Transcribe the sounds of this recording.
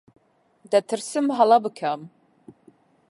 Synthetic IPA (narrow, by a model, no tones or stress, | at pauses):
dɐtʰɨrsɨmħalɐbɨkʲʰam